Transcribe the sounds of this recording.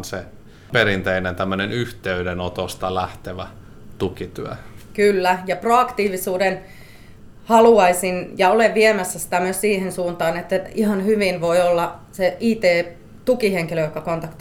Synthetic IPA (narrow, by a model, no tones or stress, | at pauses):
nse | peɾint̪einent̪æmːønenyht̪eydenot̪ost̪ɑlæht̪eʋæ | t̪ukit̪yækylːæjɑproɑkt̪iːʋisuːden | hɑluɑisinjɑoleʋʋiemæsːæsi̥t̪æmyøssiːhensuːnt̪ɑːnet̪ːæihɑnhyʋinʋoiolːɑseʔiːt̪eː | t̪ukiheŋkiløjokːɑkont̪ɑkt̪